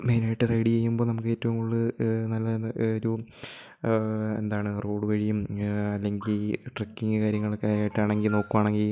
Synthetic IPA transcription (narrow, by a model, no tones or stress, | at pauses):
meːnejʈːɐreɽieːjːumboːnɐmukːe̞ːtːɐʋuŋuɭːɨnɐlːɐoɾu | ḛnd̪aːɳɨroːɽɨʋɐɻijumɐlːe̞ŋɡilʈrɐkːiŋɡɨkaːɾjɐŋːɐɭkaaːjiʈːaːɳe̞ŋɡilno̞ːkːuʋaːɳeŋɡil